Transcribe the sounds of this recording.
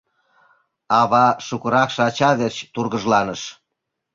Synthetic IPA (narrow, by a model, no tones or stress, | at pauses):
ɑβɑʃukə̆ɾɑkʃɤɑt͡ɕɑðet͡ɕt̪urɣəʒlɑnəʃ